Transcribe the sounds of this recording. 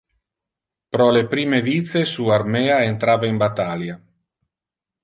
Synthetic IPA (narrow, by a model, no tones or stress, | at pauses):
pɾɔlepɾiːmevit̪sesuarmɛːaent̪ɾaːvaimbat̪alja